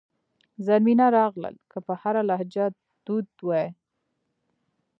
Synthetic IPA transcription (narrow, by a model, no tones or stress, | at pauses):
zaɾminaɾɑɣlə̰lkəpəhaɾalahd͡ʒɑt̪ | d̪̥ud̪wɑ